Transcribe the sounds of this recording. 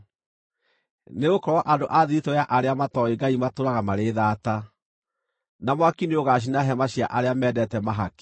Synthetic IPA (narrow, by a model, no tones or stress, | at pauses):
neɣokɔɾɔʔadoʔaðiɾitoaʔaɾeamatɔeɡaimatoɾaɣamaɾeðaːta | namwakineoɣaɕ̬inaɦɛmaɕia̰ʔaɾeamɛdɛtɛmaɦake̥